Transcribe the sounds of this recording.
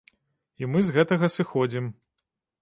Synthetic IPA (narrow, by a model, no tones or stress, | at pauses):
imɨzɣɛt̪ɐɣɐsɨxɔd͡zʲim